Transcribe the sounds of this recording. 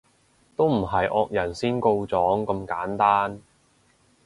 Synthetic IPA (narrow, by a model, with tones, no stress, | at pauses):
t̪o˥wm̩˨˩ɦɐ˨jʔɔː˧k̚jɐ˨˩nsiː˥nko˧wt͡sɔː˨˥ŋkɐ˧mkaː˨˥nt̪aː˥n